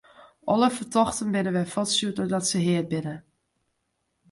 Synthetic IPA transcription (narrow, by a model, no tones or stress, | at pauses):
ʔɔlˠəfətʰɔxtənbɪnəʋɛjfɔtsjudodɔtsəɦɪət̚bɪnə